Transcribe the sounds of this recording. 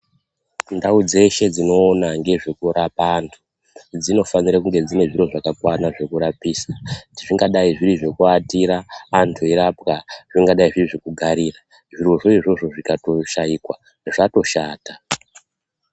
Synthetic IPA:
ndaud͡ze̞ʃe̞d͡zino̞ːnaŋɡe̞ʐekuɾapaːntʰu | d͡zino̞faniɾakuŋɡe̞d͡zine̞ʐiro̞ʐakakwanaʐe̞kuɾapiːsaiʐiŋɡaɗaiʐiriʐe̞kuatiɾaːntʰueɾapkaʐiŋɡaɗaiʐiriʐekuɡʱaɾira | ʐiro̞ʐoiʐo̞ʐo̞ʐikato̞ʃaikwa | ʐato̞ʃaːta

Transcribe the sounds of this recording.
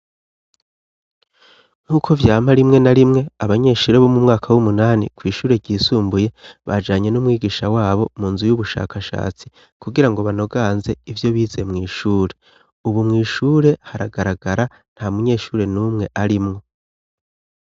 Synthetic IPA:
n̥uːkʰo̞vjaːm̥aɾimŋe̞naɾimŋe̞aβaɲe̞ːʃuːɾe̞βo̞mumŋaːkʰawumunaːnḭkwiːʃuːɾe̞ɾɟiːsuːmbuje̞βa̰d͡ʒaːɲe̞numŋiːɡiːʃawaːβo̞muːnzujuβuʃa̰ːkʰaʃa̰ːt͡si | kuɡiɾaŋɡo̞βano̞ɡaːnze̞ivjo̞βiːze̞mŋiːʃuːɾe̞ | uβumŋiːʃuːɾe̞haɾaɡaɾaɡaɾa | n̥hamuɲe̞ːʃuːɾe̞nuːmŋe̞ʔaɾimŋo̞

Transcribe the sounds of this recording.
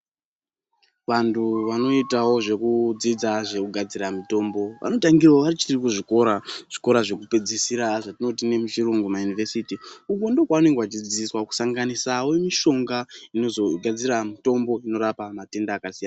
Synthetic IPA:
ʋantʰuʋano̞itawo̞ʐe̞kud͡zid͡zaʐe̞kuɡʱad͡ziɾamito̞mbo̞ʋʔa̰no̞taŋɡirwaʋaɾit͡ʃirikuʐiko̞ɾaʐ̥i̥ko̞ɾaʐe̞kupe̞d͡zisiɾaʐatino̞tine̞mut͡ʃiruŋɡumajunivesitiukondo̞kwaune̞ŋɡeat͡ʃid͡ziswaku̥saŋɡanisawe̞miʃo̞ŋɡaino̞zo̞ɡʱad͡ziɾamito̞mbo̞ino̞ɾapamate̞ndaːkasijana

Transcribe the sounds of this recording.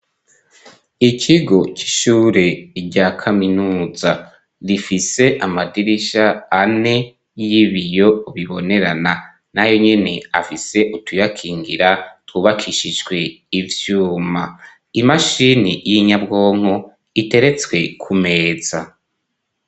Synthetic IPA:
icʰiɡo̞ci̥ʃuːɾe̞ɟaːkʰaminuːza | ɾifise̞ʔamadiɾiʃaːne̞ | jiβijo̞βiβo̞ne̞ɾana | najo̞ɲene̞afise̞ʔutʰujakʰiːŋɡiɾatuβakʰiʃid͡ʒɡwe̞ | ivjuːma | imaʃinijiɲabɡo̞ːŋ̥ho | ite̞ɾe̞t͡swe̞kʰume̞ːz̥a

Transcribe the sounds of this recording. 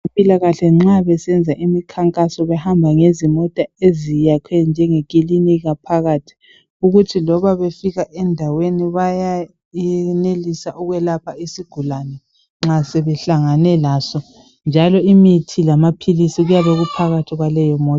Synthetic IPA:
pʼilaɣaɬɛŋ͡ǁaβɛsɛnd͡zʱaʔimikʰaŋkʼasɔβɛhambʱaŋezimɔtʼaezijakʰɛnd͡ʒʱɛŋeɣʼiliniɣapʰaɣaːtʰi̥ | uɣutʰilɔβaβefiɣaʔɛndʱaweniβaja | ɛnelisaʔuɣwɛlapʰaisiɡ̥ʱulanɛ | ŋ͡ǁasɛβɛɬaŋanɛlaːsɔ | nd͡ʒʱalɔimitʰilamapʰilisiɣujaβeɣupʰaɣatʰiɣwalɛjɔmɔː

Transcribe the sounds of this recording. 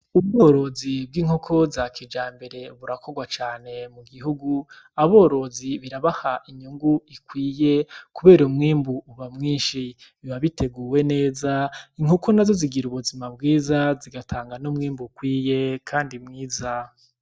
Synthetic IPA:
uβɡoɾo̞zibɡiːŋ̥okʰo̞zakʰid͡ʒaːmbe̞ɾe̞βuɾakʰo̞ɡwat͡ʃaːne̞muɡiɦuɡu | aβoːɾo̞ziβiɾaβahaʔiɲuŋɡuikwiːje̞kuβe̞ːɾoumŋiːmbuːβamŋiːnʃiβiβaβitʰe̞ɡuːwe̞ne̞ːzaiŋhokʰonazo̞ziɡiɾuβuzimabɡiːzaziɡatʰaːŋɡanomŋiːmbukwiːje̞kʰaːndimŋiːza

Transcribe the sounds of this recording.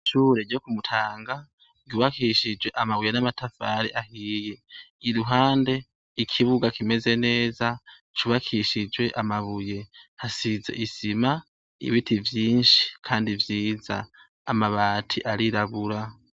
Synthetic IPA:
ʃuːɾeɟokumutʰaːŋɡa | ɡuβakiʃid͡ʒwe̞ʔamaβuje̞namatʰafaɾiʔahiːje̞iɾuɦaːnde̞ | ikʰiβuɡakime̞ze̞ne̞ːza | t͡ʃuβakʰiʃid͡ʒwe̞ʔamaβuje̞hasize̞̰ʔisima | ḭβitʰivjiːnʃi̥kʰaːndivjiːza̰ː | maβaːtʰiʔaɾiɾaβuɾa

